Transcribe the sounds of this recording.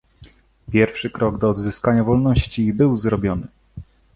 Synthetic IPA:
pʲjɛɾfʂɘkɾɔɡd̪ɔːd̪zɘskaɲavɔlnɔɕt͡ɕibɘwzɾɔbʲjɔnɘ

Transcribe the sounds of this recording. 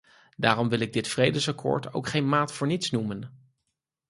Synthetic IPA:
daːrɔmʋɪlˠɪɡ̚dɪtfrejdəsakʰʊ̰ːɹto̰wkχejnmaːtfʊːɹnitsnumən

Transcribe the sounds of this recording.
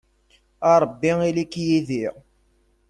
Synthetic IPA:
ɑɾˤəbːiilikːjiðiʁ

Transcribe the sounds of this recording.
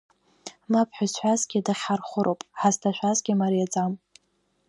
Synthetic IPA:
mapʰħazħʷazɡʲidaχʲarχʷʊɾowpʼħaztʰaʃʷᶣazɡʲimaɾijad͡zʼam

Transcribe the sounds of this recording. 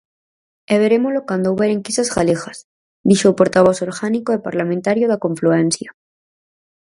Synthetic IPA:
eβeɾemolokwand̪ouβeɾeŋkisazɣalexas | d̪iʃopoɾt̪aβ̞osoɾɣanikoðepaɾlamẽnt̪aɾjoðakoɱfluenθja

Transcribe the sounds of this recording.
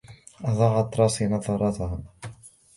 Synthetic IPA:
ʔɑðˤɑːʕɑt̪ˤːɾˤɑːsinɑðˤɑɾˤɑt̪aɦ

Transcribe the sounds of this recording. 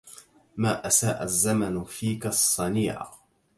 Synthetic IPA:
maːʔasaːʔazːamanfiːkasˤːɑniːʕa̰

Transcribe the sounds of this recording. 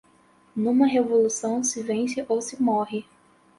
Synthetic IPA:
nũmɐɦevolusɐ̃w̃sɪvẽsɪʔowsɪmɔɦɪ

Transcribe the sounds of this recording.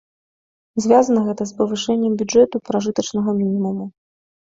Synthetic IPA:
zʲvʲazɐnɐɣɛt̪ɐspɐvɨʂɛnʲːɛmbʲud͡ʐɛt̪upɾaʐɨt̪ɐt͡ʂn̪ɐɣɐmʲinʲimumu

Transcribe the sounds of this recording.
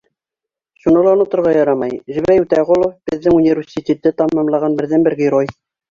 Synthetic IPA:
ʃunɤlˠɑonŏt̪ŏɾʁɑjɑɾɑmɑjʒɘ̆βɾæjʉt̪æʁolˠob̥ɘ̆ðːɘŋunʲivʲɪrʲsʲit̪ʲet̪ɘt̪ɑmːɑmlˠɑʁɑnbɘ̆ɾðænbɘɾɡʲɪɾoj

